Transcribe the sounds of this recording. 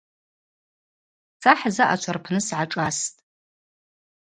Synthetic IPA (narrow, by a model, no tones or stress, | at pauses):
sʰaħzaʔat͡ʃʷʰarpʰnɨsʕaʈ͡ʂʼastʼ